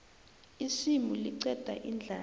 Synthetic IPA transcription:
isimuliǀɛd̥ʱa̰ʔind͡ɮʱaː

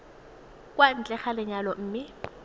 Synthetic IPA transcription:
kʼwan̩t͡ɬʼɛχalɪɲalɔm̩ːmɪ

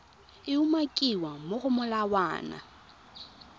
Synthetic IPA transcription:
ɪumakʼiwamoɣʊmʊlawa̰ːna̰

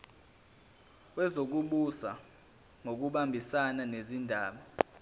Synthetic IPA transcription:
wɛzok̬uɓusa | ŋok̬uɓambʱisananezindʱaːɓa

